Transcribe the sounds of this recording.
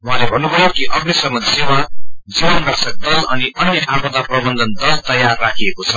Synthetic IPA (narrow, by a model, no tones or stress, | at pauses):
uɦãlebʱʌnːubʱʌjokiʔʌbnisʌmːʌnsewad͡zibʌnd̪ʌksʌk̚d̪ʌlʌniʌnjʌʔabʌd̪aprʌbʌnd̪ʱʌnt̪ʌlt̪ʌjarːakʰiekot͡sʰʌ